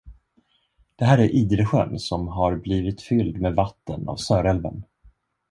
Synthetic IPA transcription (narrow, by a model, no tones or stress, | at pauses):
d̪̥ɛɦæːɾæɾʔiːd̪ɾəɧœ̰nsɔmɦaɾbliːvɪt̪fʏld̪meːvat̪ːəna̰vsœːɾɛlvə̰n